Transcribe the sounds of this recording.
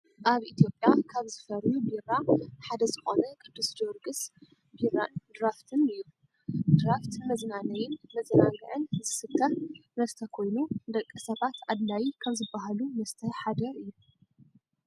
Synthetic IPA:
ʔaβʔit̪ʰjo̞pʼjakʰaβzɨfɐɾjubiraħad̪ɐzɨxonɐkʼɨd̪ːusd͡ʒoɾɡɨs | birand̪ɾaft̪ʰɨnɨjːu | d̪ɾaft̪mɐznanɐjɪnmɐzɐnaɡɨʕɨnzɨsɨkʰːɐnɐst̪ʰɐkʰo̞jnud̪ɐkʼːɨsɐβat̪ʰʔad̪lajikʰɐmzɨbːaɦalumɐst̪ʰɐħad̪ɐɨjːu

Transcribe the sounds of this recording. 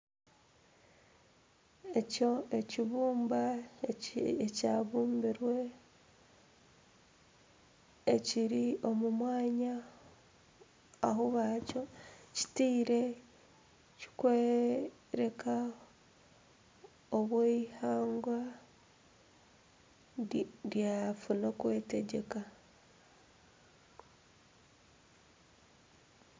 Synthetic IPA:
e̞co̞e̞ciβuːmba | ecaːβuːmbiɾwe̞ | ciɾio̞mumwaːɲa | a̰ɦuβaco̞ci̥tiːɾe̞ | ci̥kweː | ɾe̞ka | oβweihaːŋɡwa | ɾjafunakwe̞ːte̞ɟe̞ka

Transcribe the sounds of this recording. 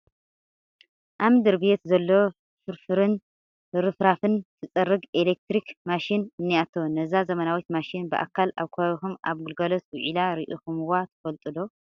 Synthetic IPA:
ʔamd̪ɨɾbet̪zɐlːo | fɨɾfɨɾɨn | ɾɨfɾafɨnt̪ʰɨt͡sʼɐɾːɨɡelek̚t̪ɾikmaʃinɨnːiat̪ʰo̞nɐzazɐmɐnawit̪maʃinbɨʔa̰kʰːala̰βkʰoaβixuma̰βɡɨlɡɐlɐswʕilaɾiʔixumɨwat̪ʰɨ̥fɐlt̪ʼɨlo

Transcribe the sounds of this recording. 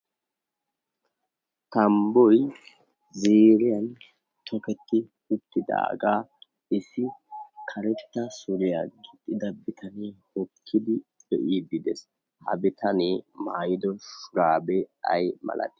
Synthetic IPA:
t̪ɐmbɔj | zeːɾɪjɐn | t̪ʰɔkɛt̪ːɪ | ʊt̪ːɪd̪a̰ːɡaː | ɪsːɪkʰɐɾɛt̪ːɐsʊɾɪjaɡɪt̪ʼːɪd̪ɐbɪt̪ʰɐneːhɔkʰːɪd̪ɪbɛʔiːd̪ɪd̪ɛs | hɐ̰bɪt̪ʰɐneːmaːjɪd̪ɔʃʊɾaːbɛɐjmɐ̰lɐ̰t̪ɪ̥

